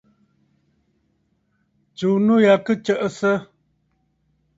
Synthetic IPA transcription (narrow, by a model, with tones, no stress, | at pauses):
t͡ʃu˨nu˦ja˨kə˦t͡ʃə˦ʔə˨sə˦